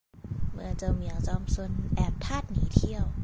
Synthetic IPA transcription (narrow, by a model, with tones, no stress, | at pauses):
mɯ˧ə˧t͡ɕɤː˧mi˨ə˦˩ŋt͡ɕɔː˧msu˧ənʔɛː˨˩p̚t̪ʰaː˥˩t̪̚niː˨˦t̪ʰi˧˩əw